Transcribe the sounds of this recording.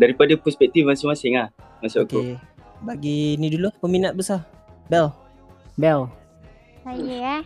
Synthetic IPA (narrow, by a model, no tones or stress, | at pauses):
daɾipadapɾɔspɛk̚t̪ifansumasɪŋahmasokobaɡinĩdulupəminat̪̚bəsa | bɛl | bɛl | sajəa